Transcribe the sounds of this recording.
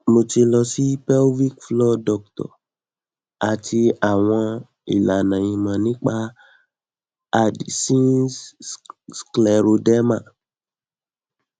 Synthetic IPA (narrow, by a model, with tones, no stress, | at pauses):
mo˧ti˧lɔ˧si˦pɛ˦lwi˦kflɔ˦dɔ˧˨k̚tɔ̰˨ | a˨tʰi˧a˦˨w̃ɔ̃˧ | ḭ˨la˨nã˨j̃ĩ˧mã˨nĩ˦k͡pa˦ | a˦˨dsĩ˦ | sklɛ˨ɾo˧dɛ˦mã˦˨